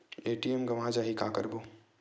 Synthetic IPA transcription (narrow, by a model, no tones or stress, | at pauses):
eːʈiemɡɐʋãːd͡ʒaɦikaːkə̰ɾbuː